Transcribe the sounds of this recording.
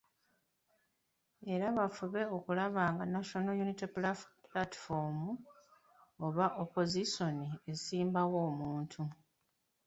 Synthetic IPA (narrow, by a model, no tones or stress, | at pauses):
e̞ɾaβafuβe̞o̞kulaβaːŋɡanaʃo̞nojuniteplplatfomu | oβaʔopo̞ziso̞nie̞siːmbawo̞ːmuːntʰu